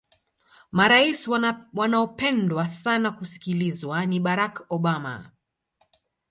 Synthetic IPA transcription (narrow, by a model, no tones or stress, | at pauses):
maɾaiswanaɔpɛndwasanakusi̥kilizwaniɓaɾakɔɓama̰